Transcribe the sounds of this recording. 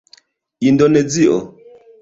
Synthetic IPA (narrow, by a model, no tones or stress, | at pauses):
indonɛd͡ziʔɔ